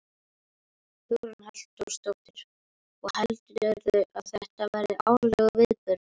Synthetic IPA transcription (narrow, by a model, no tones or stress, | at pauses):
θunhal̥t̪uɾ̥st̪owt̪ɪɾ̥ | ɔɣhɛlt̪ɾœɾðʏʔaðθɛht̪avajɾðɪʔa̰ːwlɛɣʏvɪðpʏɾ